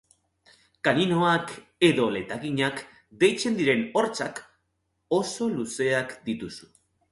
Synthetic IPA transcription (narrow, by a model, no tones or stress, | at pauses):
kaninoak | e̞ðo̞le̞t̪aɣiɲak | d̪e̞jt͡se̞nd̪iɾe̞no̞ɾt͡sak | o̞so̞luse̞akd̪it̪usu̥